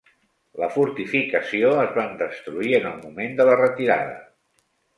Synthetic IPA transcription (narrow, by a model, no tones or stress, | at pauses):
ləfuɾt̪ifikəsioəzβand̪əst̪ɾuiənəlˠmumend̪ələrət̪iɾa̰ðə̰